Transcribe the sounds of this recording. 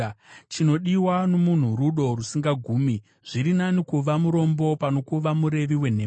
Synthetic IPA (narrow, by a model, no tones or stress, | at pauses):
t͡ʃino̞ɗiwanomun̤uɾuɗo̞rusiŋɡaɡʱuːmi | ʐ̥iɾinanikuʋamuɾo̞mbo̞pano̞kuʋamuɾe̞ʋiwe̞n̤e̞ː